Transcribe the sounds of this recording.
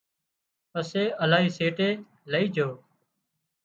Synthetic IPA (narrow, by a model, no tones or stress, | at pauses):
pəseːəlaːɦiːseːʈeː | ləiːd͡ʒʱoː